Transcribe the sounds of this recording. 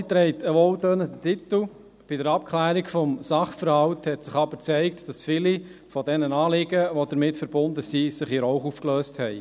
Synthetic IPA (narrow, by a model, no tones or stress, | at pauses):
it̪ɾɛɪtʰəʋɔltøːnədətɪt̪l̩ | b̥idəɾɑp̚kʰlæːɾikfɔmsɑχfəɾhɑwthɛtsɪχɑbəɾt͡sɛɪktd̥ɑsfili | fɔdɛnənɑːlɪɡəʋɔd̪əɾmɪtfəɾbʊndəsisɪχiɾɔʊχuːfkløːsthɛɪ